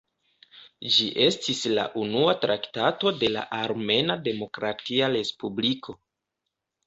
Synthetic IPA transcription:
d͡ʒiʔe̞stisla̰ʔunuatɾʔaktato̞de̞la̰ʔaɾme̞nade̞mo̞kɾatiaɾe̞spublikʰo̞

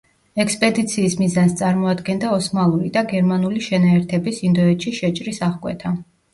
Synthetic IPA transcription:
ɛkspʼɛd̪it̪sʰiːsmizanst̪sʼaɾmɔad̪ɡɛnd̪aɔsmalˠuɾid̪aɡɛɾmanuliʃɛnaɛɾt̪ʰɛbisind̪ɔɛt̪ʃiʃɛt͡ʃʼɾisaʁkʼwɛ̰t̪ʰa

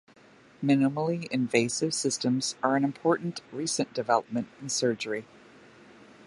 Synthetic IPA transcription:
mɪ̃nəml̩ˠiɨ̃ɱveɪsɨv̥sɪstə̃mz̥ə˞ɨ̃nɨ̃mpʰɔɹʔn̩ʔɹisɨ̃nd̥ɨvɛlˠəp̚mɨ̃ntɨ̃n̩sɜ˞d͡ʒə˞i

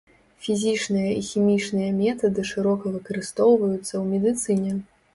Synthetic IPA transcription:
fʲizʲit͡ʂnɨjɐixʲimʲit͡ʂnɨjɐmʲɛt̪ɐd̪ɨʂɨɾɔkɐvɨkɐɾɨst̪ɔwvɐjut̪sːɐwmʲɛd̪ɨt̪sɨnʲɛ

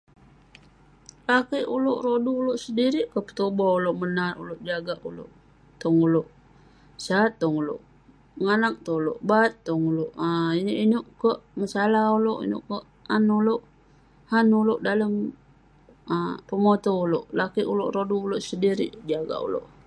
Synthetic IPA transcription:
lakiʔuloʔɾoduːloʔsədiɾiʔkəpə̥t̪obɔuloʔmənarṵloʔd͡ʒaɡaʔulo̰ʔ | t̪ɔŋuloʔ | sat̪ːɔŋulo̰ʔ | ŋanak̚t̪ɔulo̰ʔbat̪ːɔŋuloʔəinoʔinoʔkəʔmasalahuloʔḭnʊ̰ʔkəʔ | anuloʔ | hanuloʔdaləm | əpəmot̪ouloʔlakiʔulo̰ʔɾoduːloʔsəndiɾḭʔd͡ʒaɡa̰ʔṵlo̰ʔ

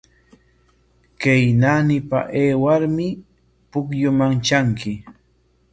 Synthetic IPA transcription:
kejnanɪpa̰ʔeːwaɾmɪ | pʊkjʊmaŋt͡ʃaŋkɪ

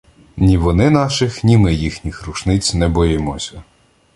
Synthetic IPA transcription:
nʲiʋɔnɪnɑʃɪxnʲimɪjixnʲixɾuʃnɪt͡sʲnɛbɔjɪmɔsʲɐ

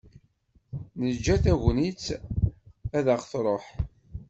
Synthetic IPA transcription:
nəd͡ʒːæθæʝnit͡s | æðəʁθɾˤoħ

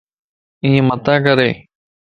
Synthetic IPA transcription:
ĩːmɐt̪ãːkɐɾeː

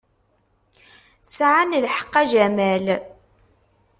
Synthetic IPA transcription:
sʕanlħə̥qːæʒæmæl

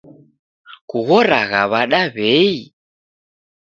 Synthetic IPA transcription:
kuɣɔɾaɣaβaɗaβɛi

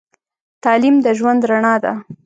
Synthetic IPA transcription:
t̪ɑlimd̪əʒwand̪ɾaɳɑd̪a̰

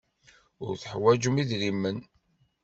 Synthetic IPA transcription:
ʊɾθəħwæd͡ʒəmiðɾimːən

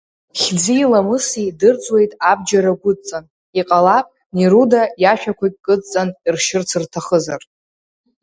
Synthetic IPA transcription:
χʲd͡ziilamɨsidɨrt͡sʼwe̞jtʼab̚d͡ʒaɾaɡʷʊt͡sʼan | iqʼalapʼ | niɾudajaʃᶣakʷʰakʲʼkʼɨt͡sʼt͡sʼanirʃɪrt͡sʰɨrtʰaχəzar

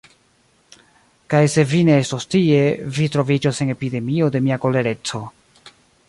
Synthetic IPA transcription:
kajse̞vine̞estostie̞vitɾo̞vid͡ʒose̞ne̞pide̞mio̞de̞miako̞le̞ɾe̞t͡so̞

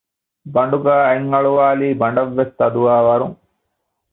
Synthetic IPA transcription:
bɐɳɖukaɐjiŋːɐɭuʋaːlibɐɳɖɐʋːest̪ɐd̪uʋaːʋɐɾum

